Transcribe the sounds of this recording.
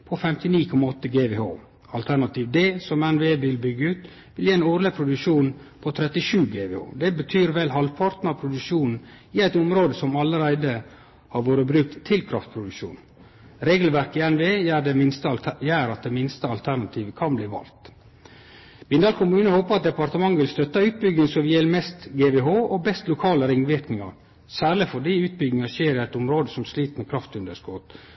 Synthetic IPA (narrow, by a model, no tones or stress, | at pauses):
pʰɔfɛmt̪ɪniːkʰɔmːɑɔt̪ːəɡeːʋeːo̰ː | ɑlt̪ʰæɾnɑt̪iːʋd̪ɛsɔmɛnʋeːʋɪlbʏɡəʉːt̪ | ʋɪljeːɛnuɾləpʰɾʊd̪ʉʂuːn | pʰɔt̪ʰɾɛt̪ːɪʂʉːɡeːʋeːo̰ːd̪ɛbət̪ʰyːɾʋɛlɦɑlpʰɑɾt̪n̩ɑpʰɾʊd̪ʉʂuːnn̩ | ɪæɪt̪ʊmɾoːd̪əsɔmɑləɾæɪd̪ə | hɑɾʋoːɾəbɾʉk̚t̪ʰːɪlkʰɾɑft̪̚pʰɾʊd̪ʉʃṵːn | ɾeːɡl̩ʋæɾkɪɛnʋeːæɖɛɪnst̪jæːɾɑt̪̚d̪ɛmɪnst̪əɑlt̪ʰæɾnɑt̪ʰiːʋəkʰɑnbliːʋɑ̰lt̪ | b̥ɪnd̪ɑːlkʰʊmʉːnəhoːpəɾɑt̪̚d̪ɛpɑɾt̪əmɑŋːʋɪlst̪œt̪ːɑʉːt̪̚bʏɡnɪŋsɔʋɪjɛlːmɛst̪ɡeːbeɦoːɔbɛst̪lʊkʰɑːləɾɪŋʋɪɾknɪŋɑ̰ɾ | sæːɾɭɪfɔɖiːʉːt̪̚bʏɡnɪŋɑʃeːɾɪæɪt̪ɔmɾoːd̪əsɔmsliːt̪mɛkʰɾɑft̪ʉnd̪əʂkoːt̪